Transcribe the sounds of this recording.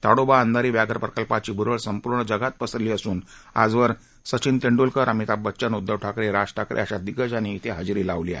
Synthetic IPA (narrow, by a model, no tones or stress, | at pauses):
t̪aɽobaənd̪aɾiːʋjaɡʱəɾpɾəkəlpat͡ɕiːbʱuɾəɭsəmpuɾɳəd͡ʑəɡat̪̚pəsəɾliːəsuːna̰d͡zʋəɾ | sət͡ɕint̪eɳɖulkəɾamit̪abətːt͡ɕənud̪ʱːəʋʈʰakɾeɾaʂʈʰakɾʔḛəɕad̪iɡəd͡ʑañiːt̪ʰeɦad͡zɾiːlaʋlia̰